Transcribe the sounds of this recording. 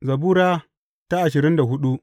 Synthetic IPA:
zɐ˨buː˦ɾaː˦ | ta˦ʔa˨ʃ̬ɪ˨ɾɪ˦nda˨ɦʊ˦ɗu˦ʔ

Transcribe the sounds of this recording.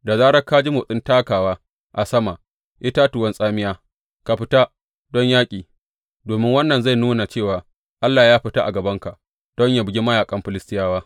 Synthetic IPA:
da˨zaː˦ɽɐ˦ka˦d͡ʒi˦moː˨sʼɪ˦ntaː˦kaː˨waː˦ | ʔa˨sɐ˦ma˨ | ʔɪ˦ta˦tʊ˨wɐ˦nsʼaː˦mɪ˦jaː˦ | ka˨ɸɪ˦ta˦ | dɔ˦ɲjaː˦kʲʼiː˨ | doː˨mɪ˦ŋwɐ˦nːɐ˨nza˦˨jnuː˦na˨t͡ʃeː˦˨waː˨ | ʔa˦lːaː˨jaː˦ɸɪ˦ta˦ʔa̰˨ɡɐ˨bɐ˦ŋka˨ʔ | d̥ɔ˦ɲjaː˦bɪ˦ɡʲi˦mɐ˦jaː˨kʼɐ˦mɸɪ˨lɪ˦stɪ˦jaː˦waː˦

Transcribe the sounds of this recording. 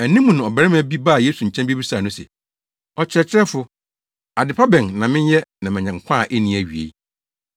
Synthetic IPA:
æ˨nĩ˦mũ˨nã˨ɔ˨bæ˨ɾɪ˦m˨æ˨bi˦ba˦˨je˦su˨ɲ̩˨t͡ɕʰɛ̃˦mbi˦bi˦saː˨nʊ̃˦sɛ̰˨ | ɔ˨t͡ɕʰɪ˨ɾɛ˨t͡ɕʰɪ˦ɾɛ˦fʊ˨ | a˨dɪ˨pʰa˦bɛ̃˨nːã˨mɪ̃˦ɲ˦jɛ˦nã˨mɛ̃˨ɲɛ̃˨ŋ̩˨kʷʰã˦˨ʔe˦nĩ˨˦æ˨ɥi˨ḛ˨˦

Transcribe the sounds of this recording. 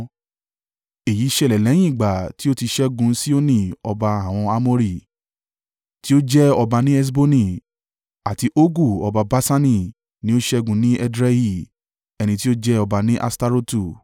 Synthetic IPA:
e˨ji˨˦ʃɛ˦˨lɛ˨lɛ˨˦j̃ĩ˦i˨ɡ͡ba˨ti˦o˦ti˧ʃɛ˦ɡũ˧˦si˦o˦nĩ˦˨ɔ˧ba˧a˨w̃ɔ̃˧a˧mo˦ɾi˨ | ti˦o˦d͡ʒɛ˦ɔ˧ba˧nĩ˦ɛ˦s̬bo˦nĩ˦˨ | a˨ti˧ʔo˦ɡu˦˨ɔ˧ba˧ba˦sa˦nĩ˦˨ | nĩ˦o˦ʃɛ˦ɡũ˧nĩ˦ɛ˦dɾɛ˦hi˦˨ | ɛ˧nĩ˧t̬i˦o˦d͡ʒɛ˦ɔ˧ba˧nĩ˦ʔa̰˧sta˧ɾo˦tu˨

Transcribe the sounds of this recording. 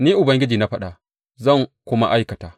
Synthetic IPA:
niː˦ʔʊ˨bɐ˦ŋɡʲɪ˦d͡ʒiː˨na˦ɸɐ˦ɗa˨ | zɐ˦˨ŋkʷʊ˦ma˦ʔa˦jkɐ˨taː˨

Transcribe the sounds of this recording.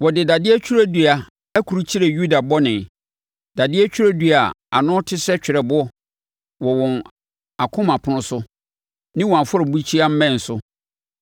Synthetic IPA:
wɔ˨dɪ˨da˨dɪ˦ɛ˦t͡ɕʰᶣu˦ɾa˦du˨a˨ | æ˦kʰu˨ɾu˦t͡ɕʰi˦ɾe˨ju˦da˨bɔ˦nɪ̃˨ | d̥a˨dɪ˦æ˦t͡ɕʰᶣu˦ɾa˦du˨a˨a̰˨nʊ̃˦tʰɪ˦sɛ˦t͡ɕᶣɪ˨ɾɛ˨bʊ˦ | wɔ˨wɔ̃˨n | a˨kʰʊ̃˦mã˨pʰʊ̃˨nʊ̃˦sʊ˦ | nɪ̃˦wɔ˨a˨fʊ˦ɾɔ˨bu˦t͡ɕʰi˦a˦m̩˦mɛ̃˦˨n̩˨sʊ˦

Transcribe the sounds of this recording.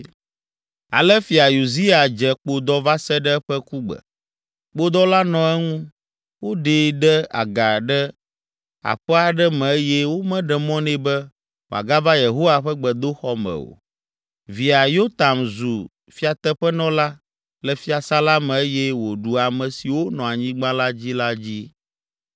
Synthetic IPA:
a̰˨lɛ˦fi˨a˨ju˨zi˦a˨d͡ʒɛ˨k͡po˨d̪ɔ˦va˦sɛ˦ɖɛ˦ɛ˦ɸɛ˦ku˦ɡ͡bɛ̰˨ | k͡po˦d̪ɔ˦la˦nɔ̃˨ɛ˦ŋũ˦ | wo˦ɖe˨ɖɛ˦a̰˨ɡa˨ɖɛ˦ | a̰˨ɸɛ˦a˨ɖɛ˦mɛ̃˨e˦jɛ˦wo˦mɛ̃˦ɖɛ˨mɔ̃˦nɛ̃˦bɛ˦ | wo˨a̰˨ɡa˦va˦je˨ɦo˦wa˦ɸɛ˦ɡ͡bɛ˨d̪o˦xɔ˦mɛ̰˨o̰˨ | vi˨a˨jo˦t̪a˨mzu˨ | fi˦a˨t̪ɛ˦ɸɛ˦nɔ̃˦la˦ | lɛ˨fi˦a˨sa˦la˦mɛ̃˨e˦jɛ˦wo˨ɖu˨a˨mɛ̃˨si˨wo˦nɔ̃˨a˨ɲĩ˦ɡ͡bã˦la˦d͡ʑi˦la˦d͡ʑi˦

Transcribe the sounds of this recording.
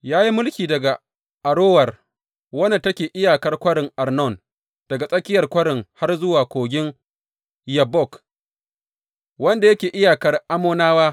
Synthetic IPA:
jaː˦ji˦mʊ˦lkʲiː˨dɐ˨ɡa˨ | ʔa˨ɽoː˦wɐ˨r | wɐ˦na˨tɐ˦kʲeː˨ʔɪ˦jaː˨kɐ˦rkʷɐ˦ɽɪ˨ŋʔa˨rnɔ˦˨n | d̥ɐ˨ɡa˨sʼɐ˦kʲɪ˦jɐ˨rkʷɐ˦ɽɪ˨ŋha˦rzʊ˦waː˨kʷoː˨ɡʲɪ˦ŋ | jɐ˨bɔ˦˨k | wɐ˦nda˨jɐ˦kʲeː˨ʔɪ˦jaː˨kɐ˦rʔa˦moː˦naː˦waː˦

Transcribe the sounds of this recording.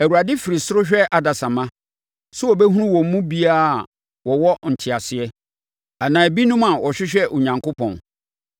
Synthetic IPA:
æ˨u˨ɾa˨dɪ˦fɪ˨ɾi˨sʊ˦ɾʊ˦ɕᶣɛ˦ʔa˨da˨sã˨mã˦ | sʊ˦ɔ˨bɛ˦ɦũ˦ũ˦wɔ̃˨m˦mũ˦bi˦a˦˨ | wɔ˨wɔ˦n̩˨tʰɪ˨a˨sɪ˨ɛ˦ | a˨nãː˨bi˦nũ˦mã˨wɔ˨ɕᶣɪ˦ɕᶣɛ˦ʔʊ˨ɲã˨ŋkʊ˦pʰɔ̰̃˨n

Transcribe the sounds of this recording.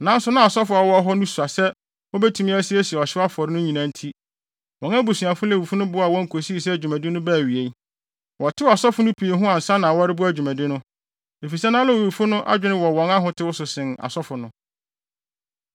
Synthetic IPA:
nã˦n˦sʊ˦nã˦a˨sɔ˦fʊ˨˦a˨wɔ˦ɦɔ˦nʊ̃˦su˨a˨sɛ˦ | wɔ˦bɛ˦tʰũ˨mĩ˦æ˦sɪ˦ɛ˦si˨ɛ˨ɔ˨ɕɪ˦wa˦fʊ˨ɔ˨ɾɪ˦nʊ̃˦ɲĩ˨nã˨˦n̩˦tʰi˦ | wɔ̃˨ŋæ˦bu˨su˨a˨fʊ˦lɛ˦˨u˨fu˦nʊ̃˦bʊ˨˦a˨wɔ̃˦ŋ̩˨kʰo˨si˦˨s̬ɛ˦æ˨d͡ʑᶣu˨mæ̃˨dɪ˦nʊ̃˦bæː˦˨ɥi˨e˨˦ | wɔ˨tʰɪ˦˨a˨sɔ˦fʊ˨nʊ̃˦pʰi˨e˨ɦʊ̃˦ã˨n̩˨sã˦nã˨wɔ˦ɾɪ˦bʊ˦æ˦˨d͡ʑᶣu˨mæ̃˨dɪ˦nʊ̃˦ | e˨fi˨sɛ˦nã˦lɛ˦wo˨u˨fʊ˦nʊ̃˦ʔa̰˦d͡ʑᶣɪ˦nɪ̃˦wɔ˨wɔ̃˨˦ŋa˦ɦʊ̃˨tʰɪ˦wʊ˦sʊ˨sɪ̃˨na̰˨sɔ˦fʊ˨nʊ̃˦

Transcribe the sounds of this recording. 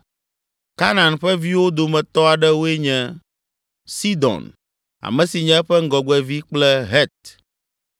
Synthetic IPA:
ka˦nã˨nɸɛ˦vi˦wo˦d̪o˨mɛ̃˨t̪ɔ˦a˨ɖɛ˦wo˦e˦ɲɛ̃˦ | si˦d̪ɔ̰̃˨n | a̰˨mɛ̃˨si˨ɲɛ̃˦ɸɛ˦ŋ̩˦ɡɔ˨ɡ͡bɛ˨vi˦k͡plɛ˦ɦɛ˦t̪̚

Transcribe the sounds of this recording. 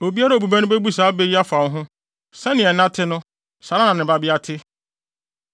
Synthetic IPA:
o˨bi˦a˦ɾa˦o˨bu˨bæ˦nʊ̃˦be˦bu˦saː˨˦be˦ji˦a˦fã˨˦ɦʊ̃˦ | sɛ˦nɪ̃˨ɛ˨nã˦tʰɪ˦nʊ̃˦ | sa˨ɾa˦nã˨nɪ̃˨ba˦bɪ˦a˦tʰɪ˦

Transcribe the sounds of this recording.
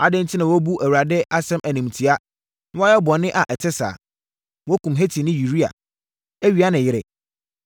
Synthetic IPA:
a˨dɪ̃˦ntʰi˦nã˨wɔ˦bu˦ʔæ˨wu˨ɾa˨dɪ˦ʔa˦sɛ̃˦mʔæ˨nĩ˨m˨tʰi˨a˦ | ñ˦a˦ɛ˦bɔ˨nɪ̃˦ʔa˨ʔɛ˨tʰɪ˦sa̰ː˨ | wɔ˦kʰũ˨mɦe˦tʰi˨nɪ̃˦ji˨ɾi˦a̰˨ | æ˦ɥi˨a˦nɪ̃˨jɪ˦ɾɛ˨

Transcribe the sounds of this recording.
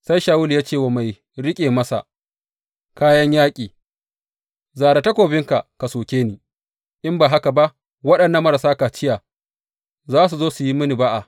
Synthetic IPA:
sa˦jʃaː˨wʊ˦ljaː˦t͡ʃeː˦˨wa˨ma˨j | ɽɪ˦kʲʼeː˨mɐ˦sa̰˨ | kaː˦jɐ˦ɲjaː˦kʲʼiː˨ | zaː˨ɾa˨tɐ˦kʷoː˨bɪ˦ŋka˨ka˨soː˨kʲeː˦niː˨ | ʔɪ˦mbaː˨ɦa˦ka˨ba˦ʔ | wɐ˦ɗɐ˨nːɐ˨mɐ˦ɾa˨saː˦ka˨t͡ʃɪ˦ja˨ | zaː˦s̬u˨zoː˦su˨ji˦mɪ˦ni˨ba˦ʔa˨

